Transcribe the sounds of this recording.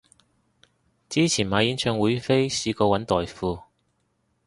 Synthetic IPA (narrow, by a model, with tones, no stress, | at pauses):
t͡siː˥t͡sʰiː˨˩nmaː˨˥jiː˨˥nt͡ʃʰœː˨˧ŋwuː˨˧˥jfe˥jsiː˧kɔː˧wɐ˨˥nt̪ɔː˨jfuː˧